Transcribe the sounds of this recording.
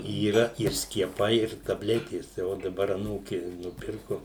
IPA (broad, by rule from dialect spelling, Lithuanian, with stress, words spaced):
iːˈrɐ ɪr sʲkʲiɛˈpɐɪ ɪr tɐˈbʲlʲæːtʲeːs tɐɪ ˈoː dɐˈbɐr ɐˈnuːkʲɪ nʊˈpʲɪrkʊ